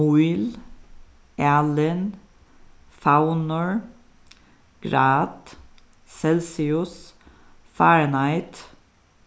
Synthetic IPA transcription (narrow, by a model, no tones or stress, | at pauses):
ul | ʔæːlən | faʊnəɹ | ɡ̥ɹɑːt̪ | sɛlsɪʉs | fæːɹnɑɪt̪